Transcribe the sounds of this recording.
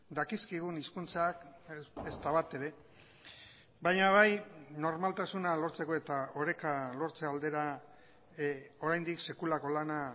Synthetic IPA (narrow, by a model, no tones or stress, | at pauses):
d̪akiskiɣ̞uniskunt͡sakest̪aβat̪e̞ɾe̞ | bajɲaβajno̞ɾmalt̪asunalo̞ɾt͡se̞ko̞e̞t̪aoɾe̞kalo̞ɾt͡se̞ald̪e̞ɾa | o̞ɾajnd̪ikse̞kulako̞lana